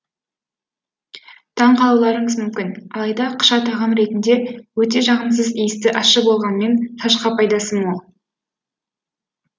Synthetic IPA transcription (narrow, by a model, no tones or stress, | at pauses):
t̪ʰɑɴqʰɑlˠɑwlˠɑɾəɴəzmʏmkʲɪnɑlˠɑjd̪ɑqʰə̥ʃɑt̪ɑʁɑnɾe̞t̪ɪnd̪e̞wɵt̪e̞ʒɑʁəms̬əzijɪst̪ɪʔɑʃəbo̞lˠʁɑnme̞nt̪ʰɑʃqɑpʰɑjd̪ɑsəmwolˠ